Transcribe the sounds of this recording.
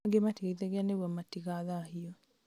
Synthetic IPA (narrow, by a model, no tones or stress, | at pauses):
ɡematiɣaiðɛɣeaneβwamatiɣaðahiɔ